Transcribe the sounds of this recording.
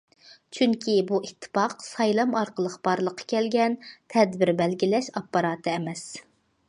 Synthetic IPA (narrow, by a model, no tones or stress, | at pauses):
t͡ʃʰyŋkʲʰibuit̪ʰːɨ̥pɑqsɑjlˠɑmɑɾqəlˠəqb̥ɑɾlˠəqʰːɑ̥kʲʰɛlɡʲɛnt̪ʰɛd̪bɪɾbɛlɡʲilɛʃɑpːɑɾɑːt̪ʰɨɛmɛs